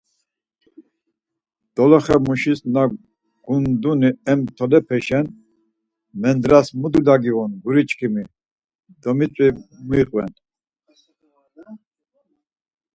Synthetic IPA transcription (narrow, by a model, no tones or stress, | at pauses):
d̪̥ɔlɔχɛmuʃisna | ɡ̥und̪uniɛmt̪ʰɔlɛpʰɛʃɛn | mɛnd̪ɾasmud̪ulaɡiʁunɡuɾit͡ʃʼkʰimi | d̪̥ɔmit͡sʼwimuiqʼvɛ̰n